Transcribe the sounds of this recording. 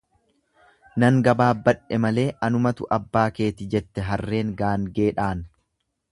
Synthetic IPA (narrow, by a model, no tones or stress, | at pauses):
nɐŋɡɐbaːbːɐᶑɛmɐle̞ːʔɐnʊmɐt̪ʊʔɐbːaːke̞ːt̪ɪd͡ʒɛt̪ːɛɦɐrːe̞ːŋɡaːŋɡe̞ːᶑaːn